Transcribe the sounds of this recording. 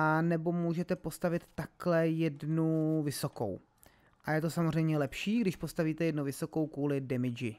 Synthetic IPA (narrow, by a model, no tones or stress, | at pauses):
ʔanɛbo̞muːʒɛt̪ɛpo̞st̪avɪt̪ːaklɛjɛdnuvɪso̞ko̞̰w | ʔajɛt̪o̞samozrɛjmɲɛlɛpʃiːɡdɪʃpo̞st̪aviːt̪ɛjɛdnuvɪso̞ko̞wkuːlɪdɛmɪd͡ʒɪ